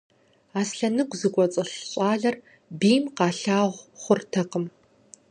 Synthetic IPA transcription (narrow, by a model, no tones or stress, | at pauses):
aːsɬɐnɨɡʷzɨkʷʼɔt͡sʼɨɬɕʼɑːɮɐr | biːmqɑːɬaːʁʷχʷʊrtʰɐqəm